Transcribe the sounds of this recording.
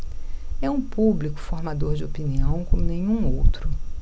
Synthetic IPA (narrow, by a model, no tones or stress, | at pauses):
ɛũpublikʊ̥foɾmad̪oɾd͡ʒɪopiniɐ̃w̃kõmʊnẽɲũowt̪ɾʊ